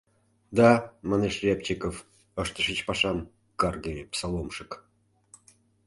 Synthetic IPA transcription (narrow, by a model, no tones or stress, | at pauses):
d̪ɑmɑneʃrʲept͡ɕikof | əʃt̪ə̆ʃət͡ɕpɑʃɑm | kɑrɡepsɑlˠomʃɨk